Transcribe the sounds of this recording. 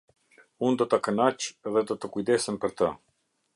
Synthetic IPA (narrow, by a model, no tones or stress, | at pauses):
und̪ɔt̪əkənat͡ʃɛðɛd̪ɔt̪əkujd̪ɛsəmpəɾt̪ə